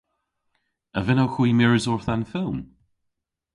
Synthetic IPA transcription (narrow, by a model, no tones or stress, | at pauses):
əvɪnowxiːmɪɹɪzɔɹθanfɪlˠm